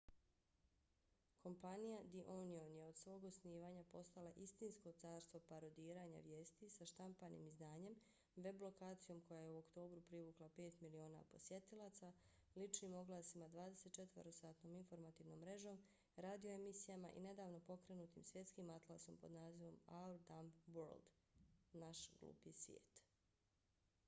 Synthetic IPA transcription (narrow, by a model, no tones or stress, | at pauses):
kʰo̞mpanijad̪iʔonionje̞od̪sʋo̞ːɡosniːʋaːɲapo̞st̪alaʔist̪insko̞t̪saːɾst̪ʋo̞paɾo̞d̪iːɾaːɲa̰ʋje̞ːst̪isaʃt̪ampanḭmizd̪aːɲe̞m | ʋe̞blo̞kaːt̪sijo̞mko̞jajeuokt̪o̞ːbɾupɾiʋuklape̞ːt̪milio̞ːna̰po̞sje̞t̪ilˠaːt̪sa | lit͡ʃniːmo̞ɡlˠaːsimad̪ʋaːd̪e̞set̪̚t͡ʃe̞t̪ʋəɾosaːt̪no̞ːminfo̞ɾmat̪iːʋno̞ːmːɾe̞ʒo̞ːm | ɾaːd̪io̞emisijamaʔḭne̞d̪aːʋno̞po̞kɾe̞nuːt̪imsʋje̞t̪skiːmat̪lˠaso̞mpo̞d̪naːziʋo̞maɾd̪amʋoɾld̪ | naʃɡ̥lṵːpjesʋʲjḛːt̪